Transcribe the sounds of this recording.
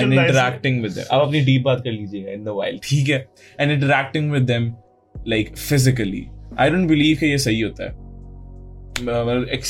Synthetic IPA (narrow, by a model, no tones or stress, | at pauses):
ɛ̃nɪ̃ɳʈəɾæːk̚ʈɪ̃ŋɡʋɪd̪ːɛ̰̃mʔɐ̰bɐpniɖiːp̚baːt̪̚kɐɾliːd͡ʒieːɡaɪ̃nd̪əʋaːɪlʈʰiːk̬ɦɛː | ɛ̃nɪ̃ɳʈ̬əɾæːk̚ʈɪ̃ŋʋɪd̪ːɛ̃m | laɪkfɪzɪk̬əlḭʔa̰ɪɖõːɳʈ̚bɪliːʋkejesɐɦiɦoːt̪a̰ɛ̰ | ɐəmɐt̪ləbɛks